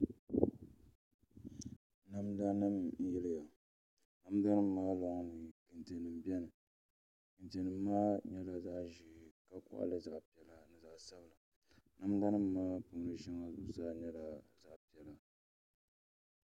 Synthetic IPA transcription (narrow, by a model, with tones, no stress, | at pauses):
na˦mda˦nɨ˦m˦jɪ˦lɨ˦ja˨ | na˦mda˦nɨ˦m̩˦maː˦lɔ˨ŋ˦nɨ˨kɨ˨nte˨nɨ˨m˨bjɛ˦nɨ˨ | kɨ˨nte˨nɨː˨˦aː˦ɲɛ˦la˨za˦ʔʒi˨ka˦kʊ̰˦ʔa̰˦lɨ˦za˨ʔpi˨ɛ˨la˨nɨ˨za˨ʔsa˦bɨ˨la˨ | na˦m˦da˦nɨ˦mː˦aː˦po˨ŋ˦nɨ˨ʃɛ˦ŋa˦zʊ˦ʔsaː˦ɲɛ˦la˨za˦ʔpi˨ɛ˨la˨